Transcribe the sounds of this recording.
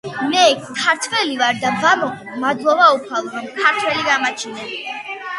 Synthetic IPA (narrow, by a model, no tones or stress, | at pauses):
mɛktʰaɾt̪ʰvɛlivaɾd̪abamɔkʰmad̪lˠɔbaupʰalˠɔɾɔmkʰaɾt̪ʰwɛliɡamat͡ʃʰinɛ